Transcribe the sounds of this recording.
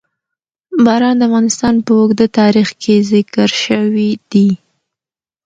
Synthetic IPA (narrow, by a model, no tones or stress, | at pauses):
bɑɾɑnd̪əavɣɑnɪst̪ɑnpəʊɡd̪at̪ɑɾixkʰezɪkəɾʃəwid̪̥i